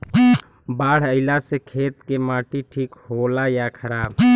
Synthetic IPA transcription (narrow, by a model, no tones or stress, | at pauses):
baːɽ̤əɪlasekʰeːt̪kemaːʈiʈʰiːkholajakʰəɾaːb